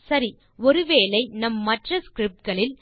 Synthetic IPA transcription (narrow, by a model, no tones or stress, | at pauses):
sɐɾi | ɔɾɯʋeːlɐɪnɐmːɐʈrɐskɾɪp̚ʈ̚ɡɐɭɪl